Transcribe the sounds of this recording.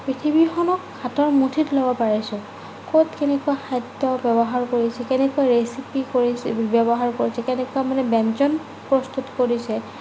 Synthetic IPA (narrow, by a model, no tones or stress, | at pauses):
pɹitʰibixɔnɔkʰːatɔɹmutʰitlɔbɔpaɹisʊ̃ | kotkɛnɛkuaxajdɔbɔbɔɦaɹkoɹisɛkɛnɛkuaɹesipikoɹibɔbɔɦaɹkoɹisɛkɛnɛkuamanɛbɛnt͡ʃɔn | pɹɔst̪utkoɹisɛ